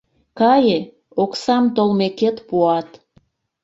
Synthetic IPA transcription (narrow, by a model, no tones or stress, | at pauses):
kɑje | oksɑmt̪olmeket̪puɑt̪